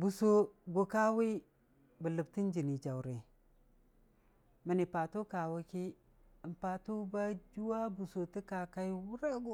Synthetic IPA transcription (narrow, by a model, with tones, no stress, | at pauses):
bu˨so˨ɡo˨ka˦wi˦ | bə˨lə˨bti˦n˦d͡ʒi˨ni˨d͡ʒa˨wɾe˨ | mə˨ni˨pa˨tu˦ka˨wa˦ki˦˨ | mpa˨tu˦ba˦d͡ʒu˦wa˦bu˨so˨ti˦ka˨ka˦i˦wu˦ɾa˦ɡo˦